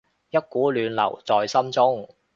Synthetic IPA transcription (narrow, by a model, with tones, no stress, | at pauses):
jɐ˥t̚kuː˨˥lyː˨˧nlɐ̰˨˩wt͡sɔː˨jsɐ˥mt͡sʊ˥ŋ